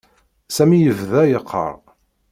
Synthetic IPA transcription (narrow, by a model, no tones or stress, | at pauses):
sæmijəvðæjəqʰːə̰ɾˤ